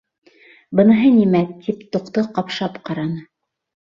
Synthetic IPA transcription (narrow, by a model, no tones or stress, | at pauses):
bɤ̆nɤ̆ɦɤnimæt̪ʰipt̪ŏqt̪ɤqɑpʃɑpqɑɾɑnɤ